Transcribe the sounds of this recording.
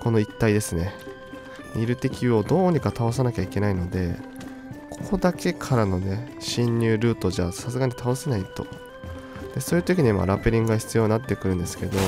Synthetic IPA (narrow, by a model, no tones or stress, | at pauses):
ko̞no̞it̪ːaid̪e̞sɨne̞ | ɲʲiɾɯ̟t̪e̞kʲio̞d̪o̞ːɲ̟ikat̪ao̞s̬anakʲaike̞naino̞d̪e̞ | kʰo̥ko̞d̪ake̞kʰaɾano̞ne̞ɕĩɲ̟ʲːɨːɾɯ̟ːt̪o̞ʑasasɨɡaɲ̟it̪ʰaose̞nait̪o̞̰ | d̪̥e̞so̞ːjiɯ̟t̪o̞kʲiɲ̟ima̰ɾapeɾʲĩŋɡɯɡaçi̥t͡sɨijo̞ɲinat̪ːe̞kɯɾɯ̟̃nd̪e̞sɨ̥ke̞d̪o̞